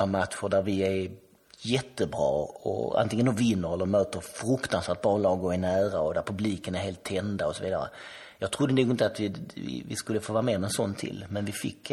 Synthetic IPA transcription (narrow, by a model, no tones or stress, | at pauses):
amat̪ɧʊɖæɾvɪæɾ | jɛt̪ːəbɾɑ̰ːɔ̰a̰nt̪ɪŋənd̪ovɪnːəɾɛlːəɾmøːt̪əɾfɾɵkt̪ansvæːɾʈ̚bɑːlɑːɡɔɛnæːɾaɔd̪æɾpʰɵbliːkənæɾheːlt̪ʰːɛnd̪aɔsɔviːd̪a̰ɾə̰ | jɑːɡ̚t̪ʰɾʊd̪ːənuːɡɪnt̪əat̪vɪvɪ̰vɪ̰skɵlːəfoːvɑːɾameːɾmɛnsɔnːt̪ʰɪ̰lmɛnvɪfɪ̰kː